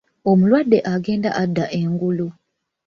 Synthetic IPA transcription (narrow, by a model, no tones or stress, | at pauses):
o̞mulwadːe̞ʔaɡe̞ːnda̰ʔadːaʔe̞ŋɡulu